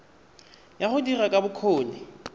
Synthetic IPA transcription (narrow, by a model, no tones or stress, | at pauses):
jaχʊdirakʼabʊkʰoːnɪ